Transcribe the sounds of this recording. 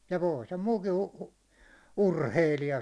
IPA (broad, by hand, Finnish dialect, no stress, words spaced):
jɑ ʋoi sem muːkin̞ u urheilijɑ